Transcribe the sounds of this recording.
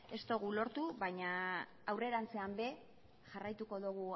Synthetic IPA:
e̞st̪o̞ɣulo̞ɾt̪uβajɲaː | wre̞ɾant͡se̞ambe̞ | ʝarajt̪uko̞ðuɣ̞u

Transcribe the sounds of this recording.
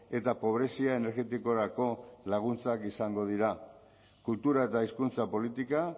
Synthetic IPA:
e̞t̪apo̞β̞ɾe̞siae̞ne̞ɾɣe̞t̪iko̞ɾako̞laɣ̞unt͡sakisaŋɡo̞ð̞iɾa | kult̪uɾae̞t̪aiskunt͡sapo̞lit̪ika

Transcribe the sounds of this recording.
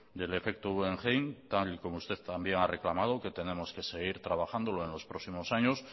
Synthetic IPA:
d̪e̞le̞fe̞k̚t̪oueŋxejnt̪aliko̞moust̪e̞θt̪ambje̞ŋare̞klamaðoke̞t̪e̞nẽ̞mo̞ske̞se̞ɣ̞iɾt̪ɾaβaxand̪o̞loe̞nlo̞spɾoksimo̞saɲo̞s

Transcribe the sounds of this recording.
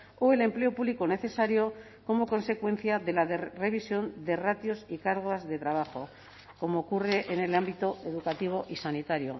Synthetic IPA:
oe̞le̞mple̞opuβlikone̞θe̞saɾjo̞ | ko̞mo̞ko̞nse̞kwe̞n̟θjaðe̞laðere̞β̞isjo̞nd̪e̞rat̪jo̞sikaɾɣ̞oazðe̞t̪ɾaβ̞axo̞ | ko̞moːkure̞ʔene̞lambit̪oe̞ðukat̪iβ̞o̞ʔisanit̪aɾjo̞̰

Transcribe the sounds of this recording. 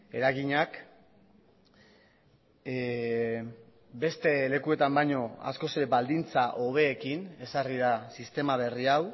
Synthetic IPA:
e̞̰ɾaɣiɲak | be̞st̪e̞le̞kue̞t̪ambajɲo̞a̰sko̞seɾebald̪int͡saʔo̞β̞e̞ːkine̞sariðasist̪e̞maβ̞e̞riaw

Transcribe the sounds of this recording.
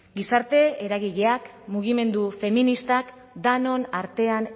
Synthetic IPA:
ɡisaɾt̪e̞eɾaɣiʎeakmuɣ̞ime̞nd̪ufe̞minist̪ak | d̪ano̞naɾt̪e̞an

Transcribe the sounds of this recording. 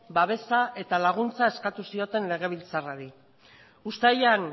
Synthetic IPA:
baβ̞e̞saʔe̞t̪alaɣ̞unt͡sae̞skat̪usio̞t̪e̞nle̞ɣ̞e̞β̞ilt͡saraɾi | ust̪ajan

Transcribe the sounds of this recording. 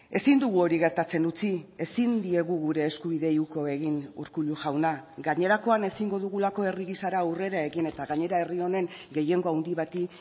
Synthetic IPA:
e̞sind̪uɣ̞uo̞ɾiɣe̞ɾt̪at͡se̞nut͡sie̞sind̪ie̞ɣuɣuɾe̞ːskuβ̞iðe̞iuko̞e̞ɣinṵɾkuʎuʝawnaɡaɲe̞ɾako̞ane̞siŋɡo̞ðuɣulako̞e̞riɣisaɾaure̞ɾae̞ɣine̞t̪aɣaɲe̞ɾae̞rio̞ne̞ŋɡe̞je̞ŋɡo̞awnd̪iβat̪i

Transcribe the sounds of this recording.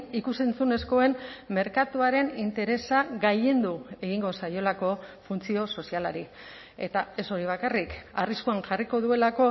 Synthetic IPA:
ikuse̞nt͡sune̞sko̞e̞nme̞ɾkat̪uaɾe̞nint̪e̞ɾe̞saɡaʎe̞nd̪ue̞ɣiŋɡo̞sajo̞lako̞funt͡sio̞so̞sialaɾi | e̞̰t̪ae̞so̞ɾiβ̞akarikariskuaŋʝariko̞ðue̞lako̞

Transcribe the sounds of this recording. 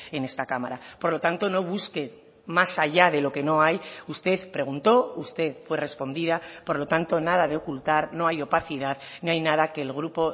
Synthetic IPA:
e̞ne̞st̪akama̰ɾapoɾlo̞t̪ant̪o̞no̞β̞uske̞ | masaʝaðe̞lo̞ke̞no̞ajust̪e̞θpɾe̞ɣ̞unt̪o̞ust̪e̞θfwe̞re̞spo̞nd̪iðapo̞ɾlo̞t̪ant̪o̞nað̞aðe̞o̞kult̪aɾno̞ajo̞paθiðaðniajnaðake̞ːlɣɾupo

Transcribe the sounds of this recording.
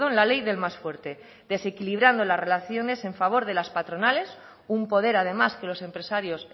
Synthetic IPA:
onlalejðe̞lmasfwe̞ɾt̪e̞ | ðe̞se̞kiliβ̞ɾand̪olazre̞laθjo̞ne̞se̞ɱfaβ̞o̞ɾð̞e̞laspat̪ɾo̞nale̞s | umpo̞ð̞e̞ɾaðe̞maske̞lo̞sẽ̞mpɾe̞saɾjo̞s

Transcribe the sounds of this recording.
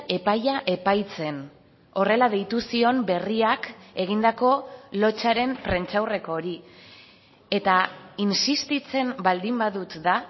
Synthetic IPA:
e̞pajaʔe̞pajt͡se̞n | o̞re̞laðe̞jt̪usio̞mbe̞riake̞ɣ̞ind̪ako̞lo̞t͡ʃaɾe̞mpɾe̞nt͡ʃawre̞ko̞ːɾi | e̞t̪ainsist̪it͡se̞mbald̪imbaðut̪ða

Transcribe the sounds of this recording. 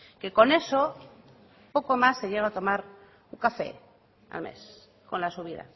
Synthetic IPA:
ke̞ko̞ne̞so | po̞ko̞masːeʎeɣat̪o̞maɾ | uŋkafe̞̰ | a̰lmḛs | ko̞̰nlasuβ̞iða̰

